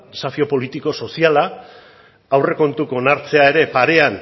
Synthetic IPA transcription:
safio̞po̞lit̪iko̞so̞siala | awre̞ko̞nt̪uko̞naɾt͡se̞ae̞ɾe̞paɾe̞an

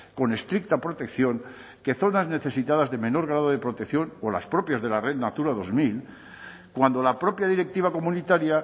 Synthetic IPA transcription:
ko̞ne̞st̪ɾik̚t̪apɾo̞t̪e̞kθjo̞ŋ | ke̞θo̞nazne̞θe̞sit̪aðazðe̞me̞no̞ɾɣ̞ɾaðoð̞e̞pɾo̞t̪ekθjo̞no̞la̰spɾo̞pjazðe̞larennat̪uɾaðo̞zmil | kwand̪o̞lapɾo̞pjaðiɾe̞k̚t̪iβ̞ako̞mũnit̪aɾja

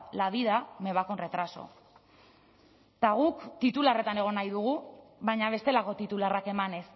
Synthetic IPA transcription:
laβiðame̞β̞ako̞nre̞t̪ɾaso̞̰ | t̪aɣ̞ukt̪it̪ulare̞t̪ane̞ɣ̞o̞najðuɣ̞uβajɲaβ̞e̞st̪e̞lako̞t̪it̪ularake̞mane̞s

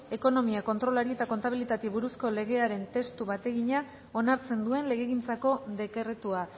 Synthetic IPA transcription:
e̞ko̞no̞miako̞nt̪ɾo̞laɾie̞t̪ako̞nt̪aβ̞ilit̪at̪eβuɾusko̞le̞ɣ̞e̞aɾe̞nt̪e̞st̪uβat̪e̞ɣiɲa | o̞naɾt͡se̞nd̪ue̞nle̞ɣe̞ɣint͡sako̞ðe̞keret̪ua

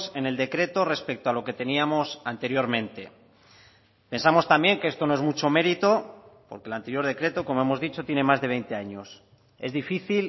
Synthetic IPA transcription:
se̞neld̪e̞kɾe̞t̪o̞re̞spe̞k̚t̪oalo̞ke̞t̪e̞niamo̞sant̪e̞ɾjo̞ɾmẽ̞nt̪e̞̰ | pe̞nsamo̞st̪ambjeŋke̞est̪o̞no̞emut͡ʃo̞me̞ɾit̪o̞po̞ɾke̞lant̪e̞ɾjo̞ɾð̞e̞kɾe̞t̪o̞komo̞e̞mo̞zðit͡ʃo̞t̪jene̞mazðe̞β̞e̞jnt̪e̞aɲo̞s | e̞zðifiθil

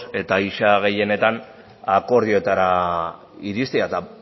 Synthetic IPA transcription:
e̞t̪aiʃaɣ̞e̞je̞ne̞t̪an | ako̞ɾðioet̪aɾa | iɾist̪iat̪a

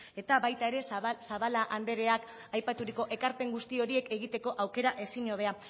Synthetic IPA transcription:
e̞t̪aβajt̪ae̞ɾe̞saβalaʔand̪e̞ɾe̞ak | ajpat̪uɾiko̞ʔe̞kaɾpe̞ŋɡust̪io̞ɾie̞ke̞ɣ̞it̪e̞ko̞ʔawke̞ɾaʔe̞siɲoβ̞e̞a

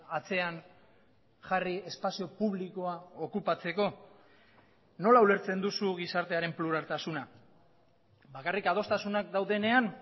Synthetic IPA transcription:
at͡se̞an | ʝarie̞spasio̞puβliko̞ao̞kupat͡se̞ko̞ | no̞laule̞ɾt͡se̞nd̪usuɣisaɾt̪e̞aɾe̞mpluɾalt̪asuna | bakarikað̞o̞st̪asunak̚d̪awðe̞ne̞an

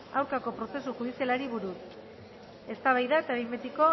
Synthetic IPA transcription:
awɾkako̞pɾo̞se̞suxuð̞isialaɾiβuɾus | e̞st̪aβajðaet̪aβembet̪iko̞

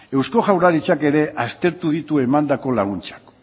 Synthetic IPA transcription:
e̞wsko̞ʝawɾaɾit͡ʃake̞ɾe̞ʔast̪e̞ɾt̪uð̞it̪ue̞mand̪ako̞laɣ̞unt͡ʃḁk

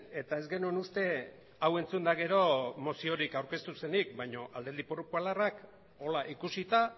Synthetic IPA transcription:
e̞t̪ae̞zɡe̞nuenust̪e̞ | awe̞nt͡sund̪aɣ̞e̞ɾo̞mo̞sio̞ɾikawɾke̞st̪use̞nik̚bajɲo̞ʔald̪e̞ld̪ipoɾukualarak | o̞laʔikusit̪a

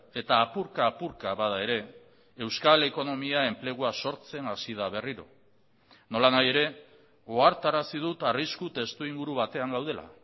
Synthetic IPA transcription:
e̞t̪aːpuɾkaːpuɾkaβað̞ae̞ɾe̞ː | wskale̞ko̞no̞miae̞mple̞ɣ̞uaso̞ɾt͡se̞nasiðaβ̞e̞riɾo̞ | no̞lanaje̞ɾe̞ | oaɾt̪aɾasið̞ut̪ariskut̪e̞st̪uiŋɡuɾuβat̪e̞aŋɡawð̞e̞la̰

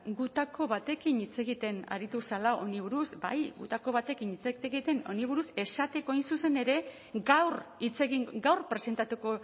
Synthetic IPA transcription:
ɡut̪ako̞βat̪e̞kinit͡se̞ɣit̪e̞na̰ɾit̪usalao̞niβuɾusba̰jɡṵt̪ako̞βat̪e̞kinit͡seeɣit̪e̞no̞̰niβ̞uɾuse̞sat̪e̞ko̞jnsuse̞ne̞ɾe̞ | ɡawrit͡se̞ɣiŋɡawrpɾe̞se̞nt̪at̪uko̞

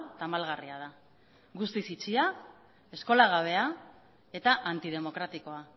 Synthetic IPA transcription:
t̪amalɣariað̞a | ɣust̪isit͡sia | e̞sko̞laɣ̞aβ̞e̞a | e̞t̪aʔant̪ið̞e̞mo̞kɾat̪iko̞a

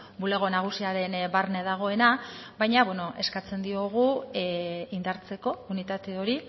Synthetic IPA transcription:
bule̞ɣ̞o̞naɣ̞usiaɾe̞nbarne̞ð̞aɣ̞o̞e̞naβbajɲaβweno̞ʔe̞skat͡se̞nd̪io̞ɣ̞u | ind̪aɾt͡se̞ko̞unit̪at̪e̞o̞ɾi

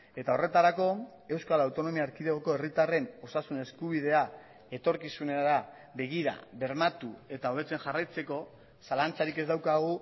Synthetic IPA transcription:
e̞t̪ao̞re̞t̪aɾako̞ | e̞wskalawt̪o̞no̞miaːɾkiðeɣoko̞e̞rit̪are̞no̞sasune̞skuβ̞iðe̞a | e̞t̪o̞ɾkisuneaɾa | βe̞ɣ̞iɾa̰βe̞ɾmat̪ue̞t̪ao̞β̞e̞t͡se̞nʝarajt͡se̞ko̞ | salant͡saɾike̞zd̪awkaɣ̞u

